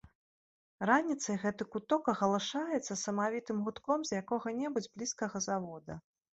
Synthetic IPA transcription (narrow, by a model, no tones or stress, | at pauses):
ɾanʲit̪sɐjɣɛt̪ɨkut̪ɔkɐɣɐlˠɨʂajɛt̪sːɐsɐmavʲit̪ɨmɣut̪kɔmzʲjakɔɣɐnʲɛbud͡zʲblʲiskɐɣɐzavɔd̪ɐ